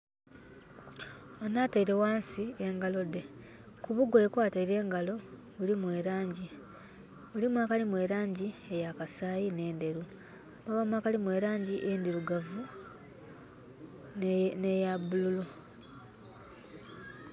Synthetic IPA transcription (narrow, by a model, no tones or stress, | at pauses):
onaːteiɾe̞waːnsieŋɡalo̞de̞ | kuβuɡoekwaːtaiɾe̞ːŋɡalo̞ | βulimwe̞ːɾaːɲɟi | βulimwaːkalimwe̞ːɾaːɲɟiejakasaːjine̞ːnde̞ɾu | maβamwaːkalimwe̞ːɾaːɲɟiʔendiɾuɡavu | nejabululu